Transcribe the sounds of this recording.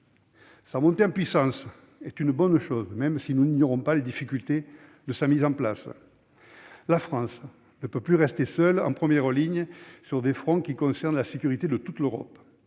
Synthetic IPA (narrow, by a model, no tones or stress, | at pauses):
samɔ̃nt̪eɑ̃pɥisɑ̃s | ɛt̪ynbɔnʃɔzmɛmsinuniɲjɔʁɔ̃paled̪ifikʲylt̪e | d̪əsamizɑ̃plas | lafχɑ̃s | nəpøplyʁɛst̪esœlɑ̰̃pχəmjɛʁəliɲəsyʁd̪efχɔ̃kʲikɔ̃sɛʁnlasekyʁit̪ed̪ət̪ut̪løʁɔ̰p